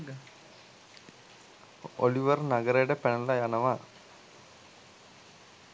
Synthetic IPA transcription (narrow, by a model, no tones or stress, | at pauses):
o̰liʋɐrnɐɡɐɾejɽepeɳɐlajanɐʋaː